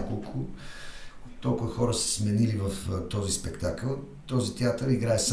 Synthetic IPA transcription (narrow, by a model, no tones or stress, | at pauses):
kolˠkʰʊ | ɔlˠkʊvəxɔɾəsɛ̥smɛnilivɐft̪ɔzispɛkt̪akəlˠ | t̪ɔzit̪ɛat̪əɾiɡɾaɛs